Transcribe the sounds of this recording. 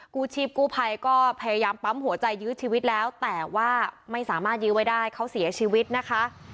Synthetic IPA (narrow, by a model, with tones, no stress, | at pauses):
kuː˥˩t͡ɕʰiː˥˩p̚kuː˥˩pʰa˧jkɔː˥˩pʰa˧ja˧jaː˧mpa˦˥mɦu˨˩˦ɐt͡ɕa˧jːɯː˦˥t͡ɕʰiː˧wi˦˥t̪̚lɛː˦˥wt̪ɛː˨˩waː˥˩ma˥˩jsaː˩˦maː˥˩t̪̚jɯː˦˥wa˥jdaː˥˩jkʰa˦˥wsi˨˩˦ɐt͡ɕʰiː˧wi˦˥t̪̚na˦˥kʰa˦˥ʔ